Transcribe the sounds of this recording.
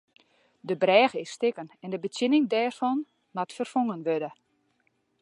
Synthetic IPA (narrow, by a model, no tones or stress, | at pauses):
dəbrɛːɣəɪsːtɪkənɛndəbətjɪnɪŋdɛːrfɔn | matfərfoŋənʋødə